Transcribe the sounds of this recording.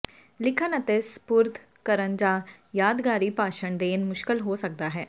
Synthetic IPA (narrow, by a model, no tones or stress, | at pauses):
lɪkʰənət̪espʊɾt̪ʰ | kəɾənd͡ʒãː | jaːd̪ɡaːɾiːpaːʃəɳd̪eːnmʊʃkəlɦoːsək̚d̪aːɦɛː